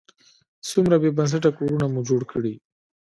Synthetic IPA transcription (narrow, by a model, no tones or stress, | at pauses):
sumɾabebans̬aʈ̬akoɾunamud͡ʒoɽkəɽi